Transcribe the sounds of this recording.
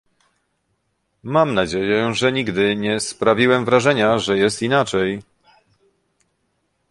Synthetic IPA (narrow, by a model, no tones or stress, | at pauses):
mamnad͡ʑejɛʐɛɲiɡd̪ɘɲɛspɾavʲiwɛmvɾaʐɛɲaʐɛjɛst̪inat͡ʂɛj